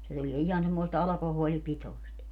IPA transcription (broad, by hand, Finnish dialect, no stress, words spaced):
se tulie ihɑn semːoist ɑlɑkohoːlipitoi̯st